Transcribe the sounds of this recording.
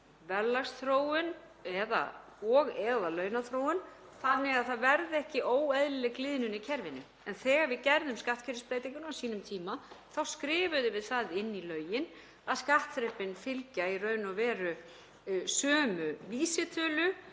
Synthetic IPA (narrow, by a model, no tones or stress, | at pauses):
vɛllːast̪θɾoːwʏn | ɛða̰ | ɔɣɛðalœːɥnaθɾoːwʏn | θanːɪɣaðθaðvɛɾðɛhcɪʔoːwɛðlɪlɛklɪːðnʏnɪcʰɛɾvɪnʏ | ɛnθɛːɣaɾvɪðcɛɾðʏmskaht̪cʰɛɾɪspɾeːjt̪iŋkʏnawsiːnʏmt̪ʰiːmaθawskɾɪːvʏðɪvɪðθaðɪnːilœːɥjɪn | aðskaht̪θɾɛpɪnfɪlcairœːɥnavɛːɾʏ | sœːmʏviːsɪt̪ʰœːlʏ